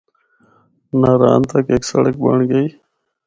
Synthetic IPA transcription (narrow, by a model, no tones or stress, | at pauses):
naɾa̰ːnt̪akeːksɐ̰ɽək̚baɳɡəi